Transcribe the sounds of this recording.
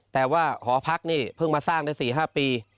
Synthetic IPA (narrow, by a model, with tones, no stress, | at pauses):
t̪ɛː˨˩waː˥˩kʰɔː˩˦pʰa˦˥k̚niː˥˩pʰɯ˥˩ŋmaː˧saː˥˩ŋdaː˥˩siː˨˩ɦaː˥˩piː˧